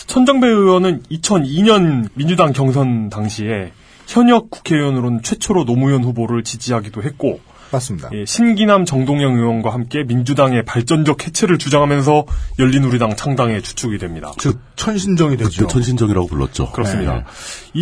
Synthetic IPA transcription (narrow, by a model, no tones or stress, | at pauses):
t͡ɕʰʌnd͡ʑʌŋbeɯwʌnɯnit͡ɕʰʌniɲʌnmind͡ʑudaŋkjʌŋsʰʌntaŋɕʰie̞ | çjʌɲʌk̚k͈u̥kʰe̞iwʌnɯɾonɯnt͡ɕʰwe̞t͡ɕʰoɾonomujʌnɸuboɾɯɭt͡ɕid͡ʑiɦaɡidoɦe̞t̚k͈o | as͈idje̞ɕʰinɡinamt͡ɕʌŋdoŋɲʌŋɯwʌnɡwahamk͈e̞mind͡ʑudaŋe̞paɭt͡ɕ͈ʌnd͡ʑʌk̚he̞t͡ɕʰe̞ɾɯɭt͡ɕud͡ʑaŋɦamjʌns̬ʰʌjʌʎːinuɾidaŋt͡ɕʰaŋdaŋe̞t͡ɕu̥t͡ɕʰuɡidwe̞mɲida̰ | t͡ɕʰʌnɕʰind͡ʑʌŋidwed͡ʑet͡ɕʰʌnɕʰind͡ʑʌŋiɾa̰ɡopuɭːʌ̰t̚t͡ɕ͈o̰kɯɾʌs͈ɯmɲida̰i